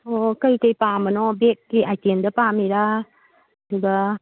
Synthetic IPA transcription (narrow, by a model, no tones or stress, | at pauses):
ɔkəjkəjpamanɔbekːeajtendapamiɾa | duɡa